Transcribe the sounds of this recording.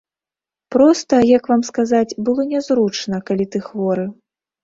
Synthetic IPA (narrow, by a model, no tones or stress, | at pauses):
pɾɔst̪ɐjakvamskazat͡sʲbɨlˠɔnʲɛzɾut͡ʂnɐkalʲit̪ɨxvɔɾɨ